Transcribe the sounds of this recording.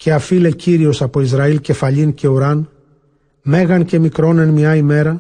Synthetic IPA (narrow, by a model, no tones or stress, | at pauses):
ce̞ɐfile̞ciɾio̞sɐpo̞izɾɐilce̞fɐʎince̞uɾɐn | me̞ɣɐnce̞mikɾo̞ne̞nmɲɐime̞ɾɐ